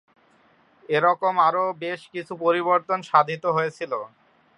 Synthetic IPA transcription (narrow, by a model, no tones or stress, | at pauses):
eɾɔkomaɾobeʃkit͡ɕʰupoɾiboɾt̪onʃad̪ʱit̪oɦojet͡ɕʰilo